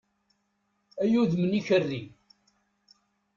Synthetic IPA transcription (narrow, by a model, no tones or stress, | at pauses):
æjuðməniçərːi